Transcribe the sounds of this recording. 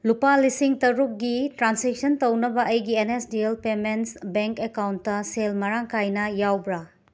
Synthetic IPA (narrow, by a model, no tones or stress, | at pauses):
lupalisiŋtɐɾuk̚ɡitɾansek̚sɐntɐwnɐbɐʔɐjɡienesdielpemensbeŋkekawntːɐselmɐɾaŋkʰajnɐjawbɾɐ